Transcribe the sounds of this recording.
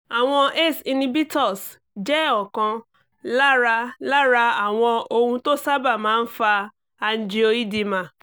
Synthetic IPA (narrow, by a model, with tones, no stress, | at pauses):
a˨w̃ɔ̃˧ʔe˦˨si˧nĩ˧bi˦tɔ˦˨s | d͡ʒɛ˦ɔ˦˨kã˧ | la˦ɾa˧la˦ɾa˧a˨w̃ɔ̃˧o˧hũ˧to˦sa˦ba˦˨mãː˨˦n̩˦fa˧ | a˧n̩˦d͡ʒi˦o˧i˦di˦˧mã˧˨